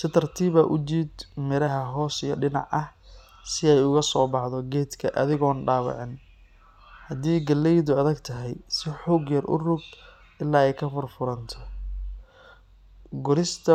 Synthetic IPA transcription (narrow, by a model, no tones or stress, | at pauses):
sɪt̪ʰɐrt̪ʰiːβɐʔʊd͡ʒiːd̪mɪɾɐɦɐɦɔːsijɞɖɪnɑ̰ʕʔɐh | sɪɛjʊɣɐsɔːbɑħðɔɡɛːd̪kʰɐʔɐðɪɣɔːnɖaːβɑ̰ʕɪn | hɐd̪iːɡɐlɛjðʊɐðɐɡt̪ʰɐɦɛjsɪħuːɡjɐrʔʊ̰rʊɡ | ɪlːaːɛjkʰɐfʊrfʊɾɐnt̪ʰɔ | ɡʊɾɪst̪ʰɐ